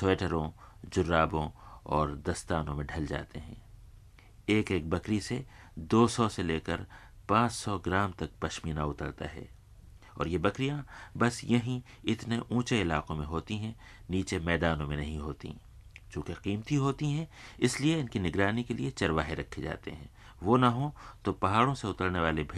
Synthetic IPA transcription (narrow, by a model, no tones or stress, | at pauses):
soeːʈəɾõd͡ʒʊɾːaːbõɔːɾd̪ɐst̪aːnõmẽɖʱɐld͡ʒa̰ːt̪eɦɛ̰̃ː | eːkeːk̚bɐkɾise | d̪oːsɔseleːkəɾ | pãːt͡ʃsɔɡɪɾaːmt̪ɐk̚pɐʃmiːnaʊt̪əɾt̪a̰ɦɛ̰ː | ɔ̰ːɾjebɐkɾijãbɐsjɐɦĩ | ɪt̪neʔũːt͡ʃeɪlaːqõmẽɦoːt̪iɦɛ̃ | niːt͡ʃemɛːd̪aːnõmẽnɐɦĩɦoːt̪ḭ | t͡ʃũːkeqiːmt̪iɦoːt̪iɦɛ̃ɪslieɪnkinɪɡɾaːnikeliet͡ʃɐɾʋaːɦeɾɐkʰːed͡ʒa̰ːt̪ḛɦɛ̰̃ː | ʋoːnɐɦõt̪opɐɦaːɽõseʊt̪əɽneʋaːlebʱ